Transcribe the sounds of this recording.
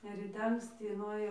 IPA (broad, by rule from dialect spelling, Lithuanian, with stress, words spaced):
ɪr rʲiːˈtʲɛ ɐŋksʲˈtʲiː nʊeːˈjɛʊ